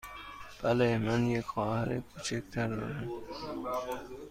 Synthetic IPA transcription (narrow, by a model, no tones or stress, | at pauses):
b̥alemanjekxɒːhaɾekʰuːt͡ʃʰik̚t̪ʰaɾd̪ɒ̰ːɾam